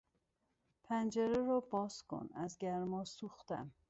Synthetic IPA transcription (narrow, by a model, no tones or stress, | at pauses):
pʰænd͡ʒæɾeɾɒːbɒːskʰo̰næzɟæɾmɒːsuxt̪æ̰m